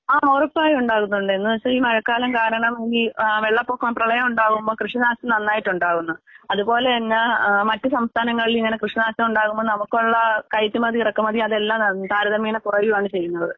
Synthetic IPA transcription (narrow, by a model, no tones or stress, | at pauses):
aːmoːrɐpːaːjuɳɖaːɣunːuɳɖɨenːuɐɐiːmɐɻɐkːaːlɐmkaːɾɐɳɐmeŋɡilʋeɭːɐpːokːaːmprɐɭɐjɐmuɳɖaːɣumbo̞ːkrɨʂɐnaːst̪ːɐmnɐnːaːjiʈːuɳɖaːɣunːuɐðupo̞ːle̞ɐnːɐmɐtːɨsɐmst̪ʰaːnɐŋːɐɭiliŋːɐne̞krɨʂɐnaːstɐmuɳɖaːɣumːonɐmukːoɭːɐkɐjt̪ːimɐðiirɐkːumɐðiɐðe̞lːaːmnɐnt̪aːɾɐðɐmiːnɐpurɐʋimaːɳɨt͡ɕe̞jːunːɐðɨ